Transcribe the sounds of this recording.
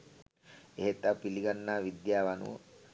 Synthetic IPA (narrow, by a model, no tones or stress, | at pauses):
eɦet̪ːapiliɡanːaːʋid̪jaːʋanṵə̰